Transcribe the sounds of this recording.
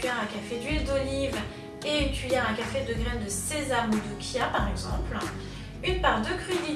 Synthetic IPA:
ɛʁɛ̃kafed̪ɥild̪ɔliv | eynt̪ɥijɛʁɛ̃kafed̪əɡʁɛnd̪əsezamud̪ukʰʲjapaʁɛɡzɑ̃pl | ynpaʁd̪əkχyd̪i

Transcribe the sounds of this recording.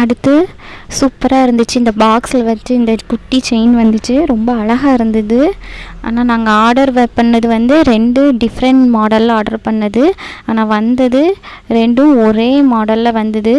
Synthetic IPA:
ɐɽɯt̪ːɯ | suːpːɐɾaːɪɾɯnd̪ɯt͡ʃːɯɪnd̪ɐbaːkslʋɐt͡ʃːɯɪnd̪ɐkʊʈːit͡ʃɐɪnʋɐnd̪ɯt͡ʃːɯɾɔmbɐɐɭɐɣaːɪɾɯnd̪ɐðɯa̰ːnaːnaːŋɡɐaːɖɐɾʋɐpɐɳːɐðɯʋɐnd̪ɯɾɛɳɖɯɖɪfɾɐɳʈmoːɽɐlːaːɾɽɐɾpɐɳːɐðɯaːnaːʋɐnd̪ɐðɯ | ɾɛɳɖɯ̃ɔɾeːmoːɽɐlːɐʋɐnd̪ɐðɯ

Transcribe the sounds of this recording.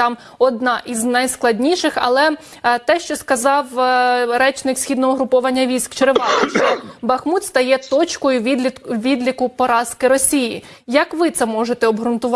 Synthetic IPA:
t̪ɑm | ɔd̪nɑʔiznɐjsklˠɐdʲnʲiʃɪxɐ̰lˠɛ | t̪ɛʃt͡ʃɔskɐzɑwɾɛt͡ʃnɪksʲxʲid̪nɔɦɔɦɾʊpɔʋɐnʲːɐʋʲijsʲkt͡ʃeɾɪʋɑt̪ɪt͡ʃɔbɐxmut̪st̪ɐjɛt̪ɔt͡ʃkɔjʊʋʲid̪lʲikʊpɔɾɑskɪɾɔsʲiji | jɐkʋɪt̪sɛmɔʒet̪ɛɔbɦɾʊnt̪ʊʋ

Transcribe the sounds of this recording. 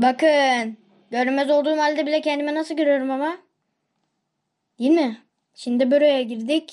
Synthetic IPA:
bakɯn | ɟø̞ɾmɛzo̞lˠd̪uːmhalʲd̪ɛbilʲɛcʰɛnd̪imɛnasɯlˠɟø̞ɾyjoɾumama | d̪ijilʲmɪ | ʃind̪ibøɾojaɟiɾd̪ɪc

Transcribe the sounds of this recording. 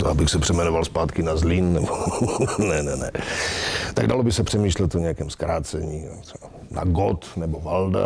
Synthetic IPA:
t̪oʔabɪxsɛpr̥ɛmɛnovalspaːt̪kɪnazlɪnːɛbonɛnɛnɛ̰ | t̪aɡdalobɪsɛpr̥ɛmiːʃlɛt̪oɲɛakɛːmskɾaːt͡sɛɲiːɛa | na̰ɡot̪nɛbovalda̰

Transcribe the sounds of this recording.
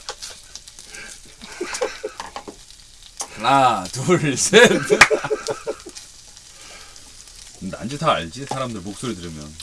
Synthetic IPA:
atuɭse | nna̰nd͡ʑitʰaːɭd͡ʑisʰaɾamdɯɭmok̚s͈oɾidɯɾɯmjʌ̰n

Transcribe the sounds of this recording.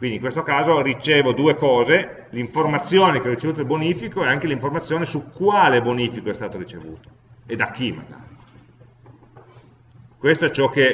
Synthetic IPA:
kwind̪iŋkwest̪okaːzorit͡ʃeːvod̪uːekɔːze | liɱformat̪sːjoːnekeɔrit͡ʃevuːt̪ilboniːfikoɛaŋkeliɱformat̪sːjoːnesukːwaːleboniːfikoɛst̪aːt̪oɾit͡ʃevṵːt̪o̥ | ed̪ak̟ːima̰ɡa̰ːɾi | kwest̪oɛt͡ʃɔk̟ːe

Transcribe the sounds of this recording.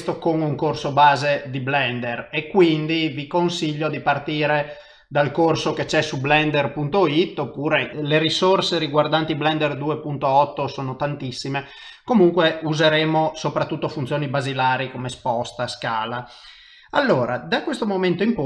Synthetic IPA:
st̪okoŋuŋkorsobaːzed̪iblɛnd̪erekːwind̪ivikonsiʎːod̪ipart̪iːɾe | d̪alkorsoket͡ʃɛsublɛnd̪erpunt̪oit̪ːopːuːɾeleɾisorseɾiɡward̪ant̪iblɛnd̪erd̪uːepunt̪oɔt̪ːosoːnot̪ant̪isːime | komuŋkweuzeɾeːmosopɾat̪ːut̪ːofunt̪sjoːnibazilaːɾikomespɔst̪askaːla | a̰lːoːɾa̰d̪akwest̪omoment̪oimp

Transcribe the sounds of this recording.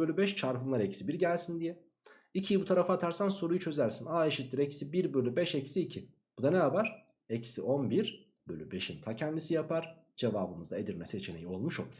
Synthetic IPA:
ølʲybɛʃt͡ʃʰaɾpɯmlˠaɾecsibiɾɟælʲsind̪ijɛ | icʰijibut̪ʰaɾafaːt̪ʰaɾsanso̞ɾujut͡ʃʰø̞zæɾsinaːeʃit̪liɾecsibiɾbølʲybɛʃecsiːcʰi | b̥ud̪aneabaɾ̥ | ecsiʔo̞nbiɾ | bølʲybe̞ʃint̪ʰacʰɛnd̪isijapʰaɾ̥ | d͡ʒe̞vaːbɯmɯzd̪aed̪iɾmɛset͡ʃʰe̞ne̞̰jio̞lˠmuʃolˠuɾ̥

